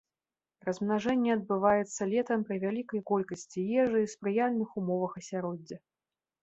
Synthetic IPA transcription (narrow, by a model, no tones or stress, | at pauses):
rɐzmnaʐɛnʲːɛɐd̪̚bɨvajɛt̪sːɐlʲɛt̪ɐmpɾɨvʲalʲikɐjkɔlʲkɐsʲt͡sʲijɛʐɨispɾɨjalʲnɨxumɔvɐxɐsʲaɾɔd͡zʲːɐ